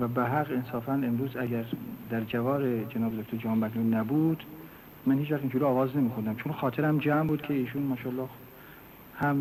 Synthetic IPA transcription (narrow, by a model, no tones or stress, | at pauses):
væbæɦæɣensɒːfænemɾuːzæɟæɾd̪æɾd͡ʒævɒːɾed͡ʒenɒːbed̪ok̚ʲt̪oɾd͡ʒæɦɑːmbæklunːæbuːd̪̥ | mænhiːt͡ʃvæχt̪ind͡ʒuːɾiɒːvɒːzne̞miːkʰond̪æmt͡ʃʰonxɒːt̪ʰeɾæmd͡ʒæmbuːd̪̥̚kʰeiːʃuːnmɒːʃɒːlːɑː | hæm